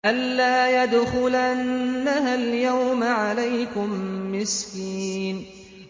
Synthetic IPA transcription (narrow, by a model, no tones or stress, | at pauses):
ʔalːaːjad̪xʊlanːahaljawmaʕalajkʊmːɪskiːn